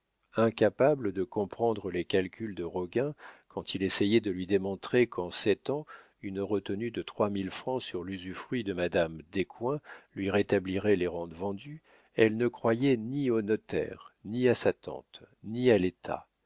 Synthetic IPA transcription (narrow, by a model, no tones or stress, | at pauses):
ɛ̃kapabləd̪əkɔ̃pχɑ̃d̪ʁəlekalkʲʰyld̪əʁɔɡɛ̃kʰɑ̃t̪ʰilɛsɛjɛd̪əlɥid̪emɔ̃t̪χekʰɑ̃sɛt̪ɑ̃ | ynʁət̪ənyd̪ət̪χwamilfχɑ̃syʁlyzyfχɥid̪əmad̪amd̪ekwɛ̃lɥiʁet̪abliʁɛleʁɑ̃d̪vɑ̃d̪y | ɛlnəkχwajɛnionɔt̪ɛ̰ʁniasat̪ɑ̰̃t̪ | nialet̪ʰa̰